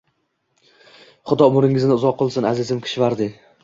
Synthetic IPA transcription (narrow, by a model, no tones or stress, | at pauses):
χʊd̪ɒʊmʊɾɪŋɪznɪʊzɒqʰːɨlˠsɪnazɪzɪmkʲʰɪ̥ʃvaɾd̪ɪ